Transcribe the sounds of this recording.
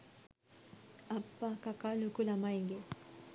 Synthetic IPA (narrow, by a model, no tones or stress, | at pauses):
apːakakalukulamaiŋɡe